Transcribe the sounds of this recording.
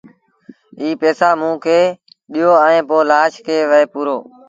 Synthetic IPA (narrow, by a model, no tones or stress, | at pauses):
iːpeːsaːmũːkʰeː | ɗijoːəẽːpoːlaːʃkʰeːʋəeːpuːɾoː